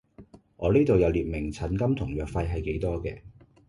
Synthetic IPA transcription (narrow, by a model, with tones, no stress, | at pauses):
ʔɔː˨˧niː˥t̪o˨wjɐ˨˧wliː˨t̚mɪ˨˩ŋt͡sʰɐ˨˩nkɐ˥mt̪ʰʊ˨˩ŋjœː˨k̚fɐ˧jɦɐ˨jke˨˥jt̪ɔː˥kɛ̰ː˧